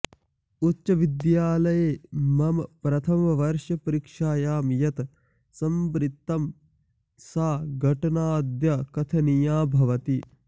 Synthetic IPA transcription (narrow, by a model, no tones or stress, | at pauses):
utːt͡ʃɐʋid̪jaːlɐjeːmɐmɐpɾɐt̪ʰɐmɐʋɐɾʃjɐpɐɾikʂaːjaːmjɐt̪ | sɐmbɾɪt̪ːɐm | saːɡʱɐʈɐnaːd̪jɐkɐt̪ʰɐnijaːbʱɐʋɐt̪i